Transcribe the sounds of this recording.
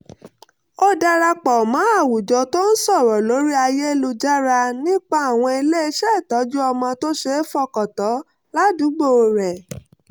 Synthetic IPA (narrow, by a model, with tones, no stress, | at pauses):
ɔ˦da˧ɾa˧k͡pɔ˨mã˨˦a˦˨wu˨d͡ʒɔ˨˧to˦n̩˦sɔ˦˨ɾɔ˨lo˨˦ɾi˦a˧je˦lu˧d͡ʒa˦ɾa˧nĩ˦k͡pa˦a˦˨w̃ɔ̃˧i˧le˦e˧ʃɛ˦˨tɔ˨˦d͡ʒu˦ɔ˧mɔ̃˧to˦ʃe˦fɔ˦kɔ˨tɔ˨˦ | la˦du˨˦ɡ͡bo˦˨˧ɾɛ˨